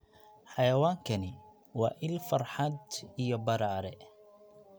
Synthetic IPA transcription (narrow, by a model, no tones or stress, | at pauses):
ħɑjɐwaːŋkʰɐnɪ | wɑːʔɪlfɐrħɑd̪ijɔbɐɾaːɾɛ